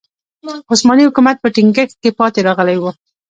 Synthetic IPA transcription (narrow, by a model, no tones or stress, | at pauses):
ʊsmɑnihʊkumat̪̚pəʈɪŋɡəxt̪̚kepɑt̪eɾɑɣəlajwə